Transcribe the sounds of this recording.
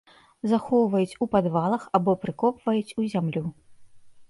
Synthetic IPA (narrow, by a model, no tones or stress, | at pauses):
zaxɔwvɐjut͡sʲupad̪valˠɐxabɔpɾɨkɔpv̥ɐjut͡sʲuzʲamlʲu